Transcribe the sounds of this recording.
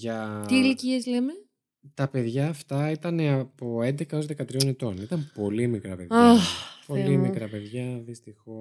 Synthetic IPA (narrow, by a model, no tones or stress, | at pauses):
ʝɐt̪iliciezleme | t̪ɐpe̞ðʝɐːft̪ɐit̪ɐne̞ɐpo̞e̞nd̪e̞kɐo̞zðe̞kɐt̪ɾio̞net̪o̞nit̪ɐmpo̞limikɾɐpeðɐpo̞limikɾɐpe̞ðʝɐðist̪ixo̞